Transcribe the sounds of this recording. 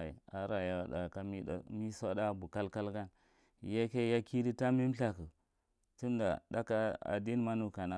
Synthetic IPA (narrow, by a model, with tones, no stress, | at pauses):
ḭ˨a˨ɾa˨ja˨ɗa˨ka˦mi˦a̰˨mi˦sa˦da˦bu˨ka˦lka˦lɡa˦n˨ | ja˦ke˦ja˦ki˦di˦ta˦mi˦m˦ɬa˦kə˨ | tu˦n˦da˨da˦ka˦a̰˨di˦n˦ma˦nu˨ka˨na˦